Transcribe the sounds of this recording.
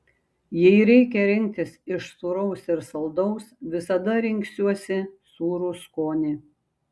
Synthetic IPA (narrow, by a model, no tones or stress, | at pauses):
jɛɪɾʲɛɪkʲɛɾʲɪŋʲk̚ʲt̪ʲɪsɪʃsuːɾɐʊsɪɾsɐlˠd̪ɒʊsʋʲɪsɐd̪ɐɾʲɪŋʲˑksʲuɔsʲɪsuːɾuːskoːnʲɪː